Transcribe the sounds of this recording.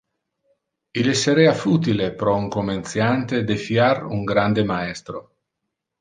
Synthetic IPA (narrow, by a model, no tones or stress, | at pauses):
ileseɾeafut̪̬ilepɾɔuŋkoment̪sjant̪ed̪efjaɾṵŋɡɾand̪emaɛst̪ɾo